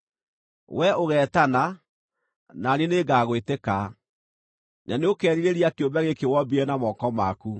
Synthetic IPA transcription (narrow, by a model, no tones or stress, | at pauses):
wʔɛʔoɣɛːtana | naneneɡaːɣweteka | naneokɛɾiɾeɾiakeobɛɣekewɔbiɾɛnamɔkɔmaku